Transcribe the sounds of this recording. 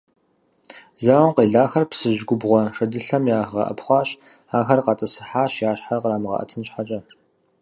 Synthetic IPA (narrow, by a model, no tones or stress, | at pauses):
zɐwɐmqeːɮaːxɐrpsɨʑɡʷʊbʁʷɔʂɐdɨɬɐmjaːʁɐ̰ʔɐ̰pχʷɑːɕ | aːxɐrqɑtʼɐsɨ̥ħaːɕjaːɕħarqəɾaːmɨʁɐ̰ʔɐ̰tʰɨnɕħat͡ʃʼɐ